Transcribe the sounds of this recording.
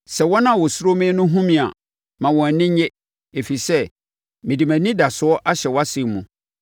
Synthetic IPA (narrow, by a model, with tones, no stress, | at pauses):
sɛ˨wɔ˦nã˦˨wɔ˨sʊ˦ɾo˦mɪ̃˦nʊ̃˦ɦũ˦mĩ˨a̰˨ | mã˨wɔ̃˨nɪ̃˦ɲɛ˦ | e˨fi˨sɛ˦ | mɪ̃˨di˨mæ̃˨nĩ˦da˨sʊ˦ɔ˦ʔa˦ɕɛ˨wɔ˦a˦sɪ̃˨mːũ˨